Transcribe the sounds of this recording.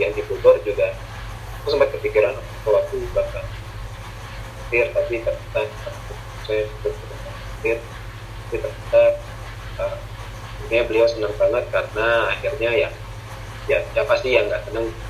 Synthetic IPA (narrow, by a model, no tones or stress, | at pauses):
jaŋdibut̪ʊrd͡ʒuɡa | akusəmpat̪̚kəp̪ikiɾanapak̪uwak̚t̪ubaka | at̪ɪrt̪apit̪ərbət̪ak̚aptutusajaŋsəbʊt̪̚əəta | atɪr | t̪apit̪ərbət̪ak̚ | ə | it̪ɲabəliawsənəŋpanat̪̚kaɾənaːhirɲajaŋ | jaapasijaŋɡaʔkənaŋ